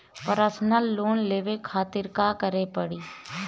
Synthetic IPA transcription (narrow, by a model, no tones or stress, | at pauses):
pəɾəsnəlːoːnleːʋekʰaːt̪ɪɾkakəɾepəɽiː